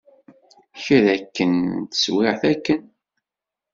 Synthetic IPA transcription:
çɾækːənt̪ə̥swɪʁθækːən

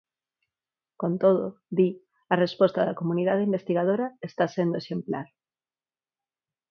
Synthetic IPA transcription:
kõnt̪oð̞oði | ɐrespɔst̪aðakomuniðað̞eimbest̪iɣað̞oɾaest̪asend̪oeʃemplaɾ

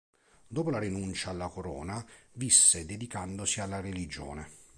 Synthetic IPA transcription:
d̪oːpolaɾinunt͡ʃaːlːakoɾɔ̰ːnavisːed̪ed̪ikand̪osialːarelid͡ʒɔ̰ːne

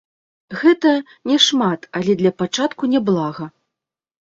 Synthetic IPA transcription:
ɣɛt̪ɐ | nʲɛʂmat̪alʲɛd̪lʲɐpat͡ʂat̪kunʲɛblˠaɣɐ

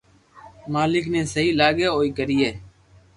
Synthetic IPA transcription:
maːlɪkneːsəɦiːlaːɡeːoːiːɡəɾiːeː

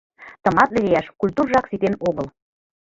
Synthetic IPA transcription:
t̪ɤ̆mɑt̪lĕlʲejæʃkulʲt̪urʒɑksit̪enoɣɤ̆l

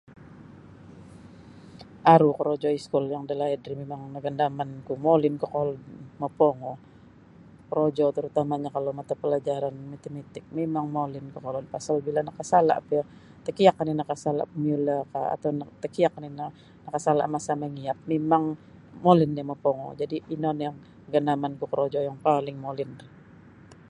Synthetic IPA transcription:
ʔaɾukəɾod͡ʒɔiskʊljaŋadalahɛdɾimemaŋnəɡandamankumolɪnkəkolɔdməpɔŋɔ | kəɾod͡ʒɔt̪əɾut̪amaɲakalomat̪apəlad͡ʒaɾanmat̪emet̪ɪk̚memaŋmolɪnkəkolɔnpasalbilanakasala̰ʔp | t̪əkiakːaninakasala̰ʔpəmiulakaa̰t̪awnt̪əkiak̚nina | nakasala̰ʔmasamaŋiap̚memaŋ | molɪndaməpɔŋɔ̰d͡ʒadiinɔnjaŋ | əɡandamankukəɾod͡ʒɔjaŋpalɪŋmolɪn

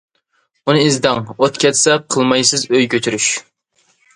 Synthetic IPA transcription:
unɨizd̪ɛŋot̪kʲʰɛt̪sɛqʰəlˠmɑjsɨzøjkʲʰøt̪ʰyɾyʃ

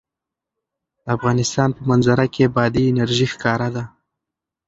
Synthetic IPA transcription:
d̪̥əafɣɑnɪst̪ɑnpəmanzaɾakebɑd̪iːnaɾʒixkɑɾad̪a

